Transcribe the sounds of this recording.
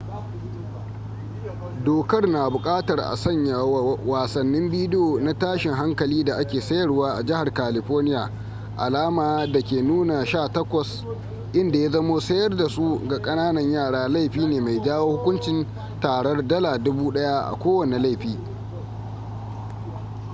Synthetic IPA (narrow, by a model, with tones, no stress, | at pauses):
doː˨kɐ˦rna˨bʊ˨kʼaː˦tɐ˨rʔa̰˨sɐ˦ɲja˨˦waː˨sɐ˨nːɪ˦mbiː˦dɪ˦joː˨na˦taː˦ʃɪ˨ŋɦa˦ŋkɐ˨liː˦da˨ʔa˦kʲeː˨sɐ˦jɐ˨rwaː˦ʔa̰˨d͡ʒɪ˦ha˨rkaː˨lɪ˨ɸɔː˦rnɪ˦ja̰ː˨ | ʔa̰˨laː˦maː˨˦da˨kʲeː˨nuː˦na˨ʃaː˦˨tɐ˦kʷɐ˨s | ʔɪ˦nda˨ja˦zɐ˦moː˦sɐ˦jɐ˦rda˨su˦ɡa˨kʼɐ˦naː˦nɐ˨ɲjaː˦˨ɽaː˦la˦˨jɸiː˦neː˨ma˨jd͡ʒaː˦woː˦hʊ˦kʷʊ˦nt͡ʃɪ˨˦n | taː˨ɽɐ˦rdɐ˦laː˨dʊ˦buː˦ɗɐ˦ja˦ʔa̰˨kʷoː˦wɐ˨ne˨la˦jɸiː˦